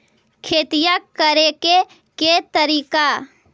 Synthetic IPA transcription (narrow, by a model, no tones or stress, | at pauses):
kʰeːt̪ijakəɾeke | ket̪əɾiːka